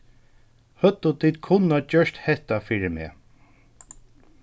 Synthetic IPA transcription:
hœt̪ːʊt̪ʰiːd̪kʰʊnːat͡ɕœʂt̪hɛht̪afiːɹɪmḛː

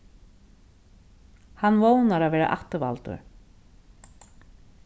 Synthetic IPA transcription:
hanːvoːwnaɾaðvɛːɾa̰ʔaht̪ʏva̰lt̪ʏ̰ɾ̥

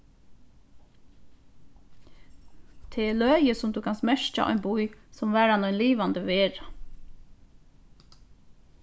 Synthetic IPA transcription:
t̪ʰeːɛːɭœːjəsʊmd̪uːkʰansmɛʃt͡ʃa̰ʔɔ̰ʏnbujsɔmʋæːɾanɔʏnliːʋand̪əʋeːɹa

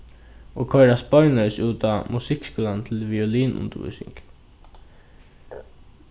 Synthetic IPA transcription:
oːkʰœʏɾaspɔʏnœsuːt̪amusɪkskuːlant̪ʰɪlʋiɔliːnʔʊ̰nt̪əʋṵːsɪ̰ŋk

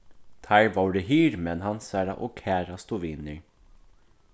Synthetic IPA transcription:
t̪ʰæɪʋɑːɖeɦiːɾmɛnhɑnsæːɾɑ̰ʔoːkʰæːɾɑst̪ʊʋiːnəɹ

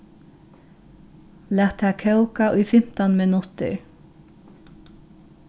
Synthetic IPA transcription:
læːt̪ʰːæːkʰœʊkaʔʊjfɪm̥t̪ɔnmɪnʊt̪ɪ̰ɹ

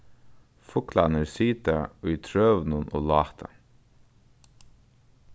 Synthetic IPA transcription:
fʊkʰlɑ̰nəɾsiːt̪əoːiːt̪ʰɹøːʋnʊnʔo̰ːlɑːt̪ʰə̰

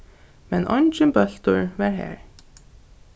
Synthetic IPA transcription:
mɛnʔɑ̰nd͡ʒənbœlt̪əɹʋɑːɹhæ̰ːɹ

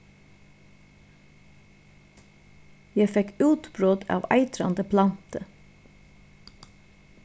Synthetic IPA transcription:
jæɪfɛkʉːt̪bɾoːd̪ɑ̰ːʋæ̰ɪt̪ɾɑ̰nd̪əpʰlɑnt̪ə

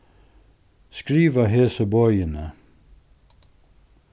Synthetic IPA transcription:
skɾiːʋəɦeːsəbɔʏənə

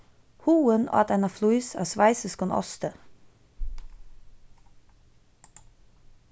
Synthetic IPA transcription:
huːəno̰ɑ̰t̪ɛnɑfluɪsæ̰ːsʋæɪsəskɔnʔɔ̰st̪ə

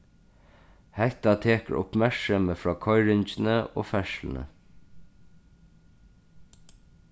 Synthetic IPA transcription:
hɛht̪ɑt̪ʰeːkə̰ɹʔʊ̰pmæɹksəməfɹɑːkʰɔʏɹɪɲt͡ʃn̩əo̰ːfɛʃln̩ə̰

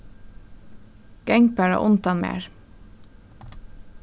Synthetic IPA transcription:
ɡ̥æŋpæɹo̰ːʔʊnt̪ɑnmḛːɹ

